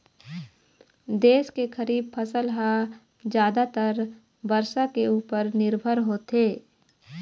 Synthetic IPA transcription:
d̪eːskekəɾiːb̚pʰəsəlɦa | d͡ʒjaːd̪at̪əɾ | bəɾʃakeuːpəɾnɪɾbʱəɾɦoːt̪eː

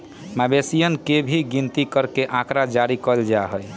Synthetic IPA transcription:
mabesijənkebʱiɡint̪ikəɾkeʔãkɾad͡ʒaɾikəld͡ʒaɦəj

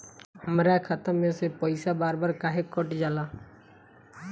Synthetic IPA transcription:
məɾaːkʰət̪əmmẽsepəɪsabaːɾbaːɾkaːɦekʊʈd͡ʒaːlaː

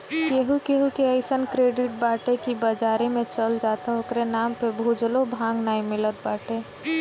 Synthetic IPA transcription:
keɦukeɦukeəɪsənkɾeːɖɪʈ̚baːʈekibəd͡ʒaːɾimẽt͡ʃəld͡ʒaːt̪aokɾenaːmpebʱud͡ʒlobʱãːŋɡnaːimɪlət̪̚baːʈe

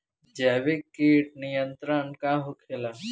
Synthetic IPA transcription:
d͡ʒaːʋekːiːʈ̚nijənt̪ɾənkaɦokʰelaː

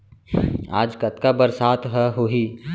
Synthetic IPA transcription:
a̰ːd͡ʒkɐt̪kabəɾsaːt̪ʰɦɛɦoɦi

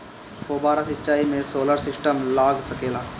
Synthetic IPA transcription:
poːbaːɾasɪtːt͡ʃaːimẽsoːləɾsɪsʈəmlaːɡsəkeːlaː

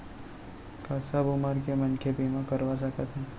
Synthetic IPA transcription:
kasabʊmaɾkemənkʰebimãkəɾʋasəkət̪ɛ̃

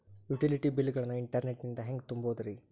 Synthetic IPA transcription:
juʈiliʈibilːɡɐɭɐnːuiɳʈɐɾneʈnind̪ɐɦeŋɡt̪umboːd̪ɐɾi

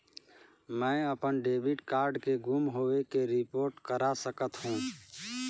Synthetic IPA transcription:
mɛ̃ːəpənɖeːbɪʈkaːɾɖkeɡʱumɦoːekeɾɪpoːɾʈkəɾasəkət̪ɦũː

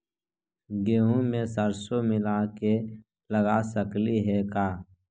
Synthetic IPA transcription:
ɡeːɦũmẽsəɾsomɪlake | ləɡasəkliɦɛkaː

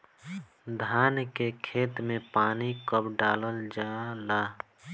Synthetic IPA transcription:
d̪ʱaːnkekʰeːt̪mẽpaːnikəpɖaːləld͡ʒaːlaː

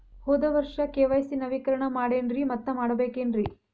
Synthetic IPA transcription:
hoːd̪ɐʋɐɾʂɐkeːʋɐjsinɐʋikɐɾɐɳɐmaːɽeːnɾimɐt̪ːɐmaːɽɐbeːkeːnɾi

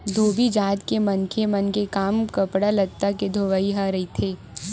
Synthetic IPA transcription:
d̪ʱoːbʱid͡ʒaːd̪kemɐnkʰemɐnkekaːmkɐpɽalɐt̪ːaked̪ʱoːʋaiɦaɾɐit̪ʰeː

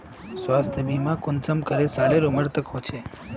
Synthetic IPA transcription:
sʋast̪ʰəbimãkʊnsəmkəɾesaɾeɾuməɾt̪əkɦot͡ʃʰe

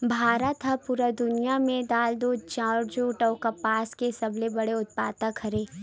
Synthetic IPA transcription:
bʱaːɾət̪ɦɐpuɾad̪ʊnijamẽd̪aːld̪ot͡ʃãːʈd͡ʒoːʈɔːkɐpaːskesɐblebɐɽeʊt̪̚paːt̪akʰɐɾeː

